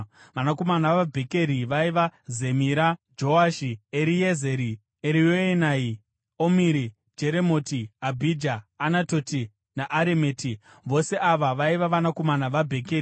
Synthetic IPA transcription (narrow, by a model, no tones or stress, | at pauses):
ʋanako̞manaʋabʱe̞ke̞ɾiʋaiʋaze̞miɾad͡ʒo̞aʃieɾijezeɾi | eɾijoenai | omiɾi | d͡ʒe̞ɾemo̞tiabʱid͡ʒaːnatoti | naʔaɾeme̞ːti | ʋo̞se̞ʔaʋaʋaiʋaʋanako̞manaʋabʱe̞keɾi